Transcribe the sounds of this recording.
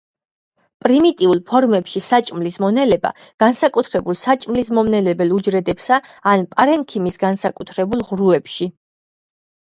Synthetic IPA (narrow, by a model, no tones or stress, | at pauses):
pʼɾimit̪ʼiulˠpʰɔɾmɛpʃisat͡ʃʼmlismɔnɛlɛba̰ | ɡ̥ansakʼut̪ʰɾɛbulˠsat͡ʃʼmlismɔmnɛlɛbɛlˠud͡ʒɾɛd̪ɛpsaːnpʼaɾɛŋkʰimisɡansakʼut̪ʰɾɛbulˠʁɾuɛpʃi